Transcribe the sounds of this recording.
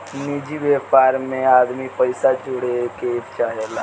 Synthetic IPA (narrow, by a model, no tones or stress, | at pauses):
nid͡ʒiʋepaːɾmẽaːd̪mipəɪsad͡ʒoɽeket͡ʃaɦela